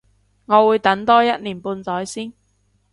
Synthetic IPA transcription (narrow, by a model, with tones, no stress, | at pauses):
ŋɔː˨˧wuː˨˧jt̪ɐ˨˥nt̪ɔː˥jɐ˥t̚niː˨˩npuː˧nt͡sɔː˨˥jsiː˥n